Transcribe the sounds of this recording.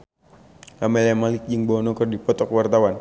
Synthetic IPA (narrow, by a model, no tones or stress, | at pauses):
amɛlamalɪk̚d͡ʒɨŋbɔɔnɔkərdipɔt̪ɔkwart̪awan